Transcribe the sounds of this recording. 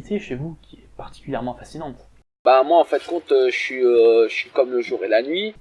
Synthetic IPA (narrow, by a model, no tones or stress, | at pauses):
t̪ʰeʃevukʲiɛpaʁt̪i̥kʲyljɛʁmɑ̃fasinɑ̃t̪ | bamwaɑ̃fɛ̃d̪əkɔ̃t̪øʒəsɥiøəsɥikɔmləʒuʁelanɥi